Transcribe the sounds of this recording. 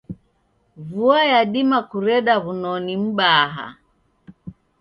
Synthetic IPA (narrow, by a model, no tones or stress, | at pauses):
vuajaɗimakuɾɛɗaβunɔnim̩ɓaɦa̰